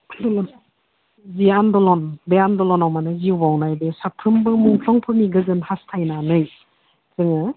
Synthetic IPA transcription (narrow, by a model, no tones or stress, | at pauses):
dɔlɔn | zijandɔlɔnbejandɔlɔnawmanɯzibawnajbesapʰɯmbɯmuŋkʰlɔŋpʰɯmiɡɯzɯnhastʰajnanɯj | zɯŋɯ